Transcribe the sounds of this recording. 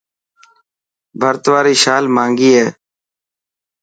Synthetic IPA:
bʱəɾt̪ʋaːɾiːʃaːlmãːŋɡiːɦeː

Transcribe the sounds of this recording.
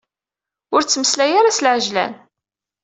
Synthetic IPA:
ʊɾt͡sːməslæjaɾasəlʕəʒlæ̰n

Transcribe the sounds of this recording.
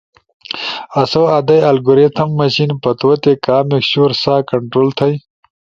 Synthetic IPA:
ɐsoːad̪ɐjɐlɡuɾet̪ʰɐmːɐɕinpɐt̪wɐt̪ekaːmekɕuːɾsaːkɐɳʈɾoːlt̪ʰɐj

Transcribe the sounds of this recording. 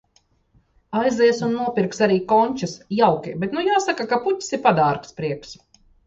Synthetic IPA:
ajzɛɛsunːuɔpʲiɾksaɾiːkɔɲʲt͡ʃasjawkʲibɛt̪nujaːsakakaput̪ʲsiɾpad̪aːɾkspɾiɛks

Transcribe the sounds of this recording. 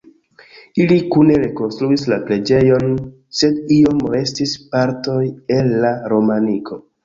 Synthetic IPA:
ilikune̞ɾe̞ko̞nstɾuislapɾe̞d͡ʒe̞jo̞n | se̞dio̞mɾe̞stispaɾto̞je̞lːaɾo̞maniko̞

